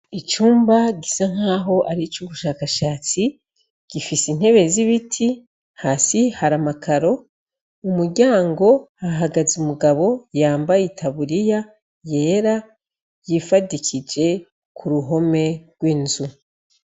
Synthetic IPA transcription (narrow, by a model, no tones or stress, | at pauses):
it͡ʃuːmbaɟisaŋ̥haːɦo̞ʔaɾit͡ʃuβuʃaːkaʃaːt͡si | ɡ̥ifisin̥he̞βe̞ziβitʰi | haːsihaɾamakʰaɾo̞ | umuɾɟaːŋɡo̞aɦaɡazumuɡaβo̞jaːmbajitʰaβuɾija | je̞ːɾa | jifadicʰid͡ʒe̞ | kʰuɾuɦo̞me̞ɡwiːnzu